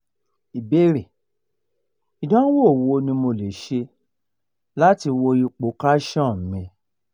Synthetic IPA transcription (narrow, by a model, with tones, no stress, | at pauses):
i˨be˦ɾe˨ | i˨dã˨˦wo˦˨wo˧nĩ˧mo˧le˨ʃe˧ | la˦ti˧wo˧i˧k͡po˨˦ka˦ʃã˦˨m̩˨mĩ˧